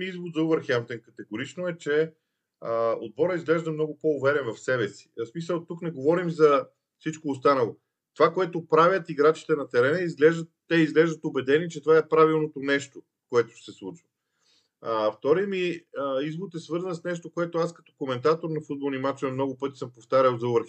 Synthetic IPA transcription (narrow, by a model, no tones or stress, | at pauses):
miizvod̪zɐuvəɾxɛmt̪ɛnkɐt̪ɛɡoɾit͡ʃnoɛt͡ʃɛ | əo̰d̪̚bɔɾəizɡlɛʒd̪əmnɔɡʊpoːvɛɾɛnvɐfsɛbɛsi̥smisəlˠt̪uknɛɡovɔɾimzɐ | fsit͡ʃkoːst̪anɐlˠo | t̪ovakoɛt̪opɾavʲjət̪iɡɾat͡ʃi̥t̪ɛnɐt̪ɛɾɛnɛizɡlɛʒd̪ət̪ːɛizɡlɛʒd̪ət̪obɛd̪ɛniɛt͡ʃɛt̪ovaɛpɾavilˠnot̪onɛʃt̪o | koɛt̪ʊ̥ʃsɛslˠut͡ʃvɐ | əft̪ɔɾiəmiəizboɾt̪ɛsvɤɾzənsnɛʃt̪okoɛt̪oaskɐt̪ɔ̥komɛnt̪at̪oɾnɐfud̪̚bolˠnimat͡ʃɐmnɔɡʊpɤt̪i̥sɤmpoft̪aɾʲəlˠzɐuvəɾx